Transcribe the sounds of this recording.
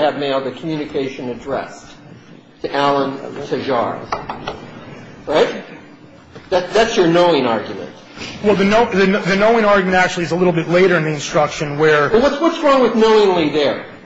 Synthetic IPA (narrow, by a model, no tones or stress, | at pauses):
ɨvmeɪlˠðɨkʰm̩jʉnɨkʰeɪʃɨ̃nɨdɹɛ̰s | tʰɨʔælˠə̃ntʰɨʒɑ̰ɹz̥ | ɹaɪt̪̚ | ðætðætsjə˞noʊɪ̃ŋɑ̰ɹɡjmɨ̰̃nt | wɛlˠðɨnoʊðɨnðɨnoʊɪ̃ŋɑɹɡjmɨ̃ntæk̚t͡ʃʉl̩ˠiɨzəlɪɾl̩ˠbɪtˡleɪɾə˞ɨ̃nðiɨ̃nstɹ̥ʌkʃɨ̃nwə˞wˠwʌtswʌtsɹɔ̃ŋwɨðnoʊɪ̃ŋliðə˞